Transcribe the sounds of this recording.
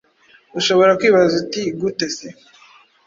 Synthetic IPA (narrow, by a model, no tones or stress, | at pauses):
uʃoβo̞ɾakwiːβazutiɡutese